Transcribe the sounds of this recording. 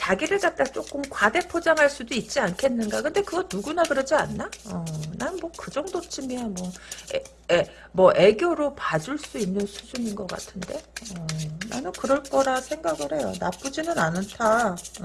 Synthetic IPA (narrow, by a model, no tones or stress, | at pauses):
t͡ɕaɡiɾɯɭt͡ɕ͈ap̚t͈at͡ɕ͈ok͈ɯmkwade̞pʰod͡ʑaŋɦaɭs͈udoit̚t͡ɕ͈iankʰe̞nːɯnɡakɯnde̞kɯɡʌnuɡunakɯɾʌd͡ʑianːaʌnanɯnmwʌkɯd͡ʑʌŋdot͡ɕʰimiamwʌe | mwʌʔe̞ɡjoɾopad͡ʑuɭs͈uinːɯnsʰud͡ʑuninɡʌk͈a̰tʰɯnde̞ʌna̰nɯnkɯɾʌɭk͈ʌɾasʰe̞ŋɡaɡɯɾɦhe̞jonap͈ud͡ʑinɯnanɯntʰa